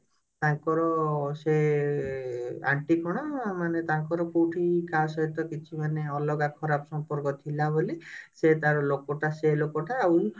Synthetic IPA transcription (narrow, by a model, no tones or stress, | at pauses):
t̪aŋkɔɾɔse | a̰ɳʈikɔɽ̃ɔmanet̪aŋkɔɾɔkowʈʰikasɔɦit̪ɔkit͡ʃʰimaneɔlɔɡakʰɔɾapɔsɔmpɔɾkɔt̪ʰilaboliset̪aɾɔlokɔʈaselokɔʈaːw